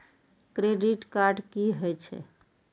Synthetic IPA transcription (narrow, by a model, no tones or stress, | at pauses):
kɾeɖiʈkaɾɖkiɦojt͡ʃʰɛ̰